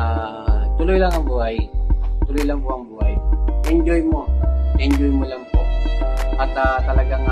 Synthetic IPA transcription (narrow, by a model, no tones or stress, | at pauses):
a | t̪ʊlojlaŋɐŋbuːhajt̪ʊlojlaŋpoʔɐŋbuːhajɛnd͡ʒojmoɛɲd͡ʒojmolaŋpoʔʔat̪at̪ɐlɐɡaŋ